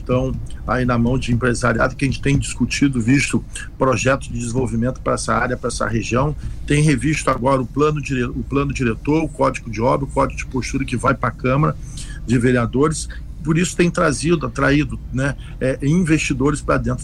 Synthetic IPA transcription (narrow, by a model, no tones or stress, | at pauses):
t̪ɐ̃w̃a̰inɐmɐ̃w̃d͡ʒɪẽpɾeza̰ɾia̰d̪ʊkɪɐʒẽt͡ʃɪ̥t̪ẽj̃d͡ʒiskut͡ʃid̪ʊvist̪ʊ | pɾoʒɛt̪ʊzd͡ʒɪd͡ʒ̪ɪzĩvowvimẽnt̪ʊ̥pɾɐɛsɐaɾjɐpɾɐɛsɐ̰heʒiɐ̃w̃t̪ẽj̃ɦevist̪ʊaɡɔɾɐʊplɐ̃nʊd͡ʒiɾeʊplɐ̃nʊd͡ʒiɾet̪oɾʊkɔd͡ʒiɡʊd͡ʒɪɔbɾɐʊkɔd͡ʒɪɡʊd͡ʒɪpoʃt̪uɾɐkɪvajpɾakɐ̃mɐɾɐd͡ʒɪveɾiad̪oɾɪs | poɾisʊ̥t̪ẽj̃t̪ɾazid̪ʊat̪ɾaid̪ʊnɛ | ɛĩvest͡ʃid̪oɾɪspɾɐd̪ẽnt̪ɾ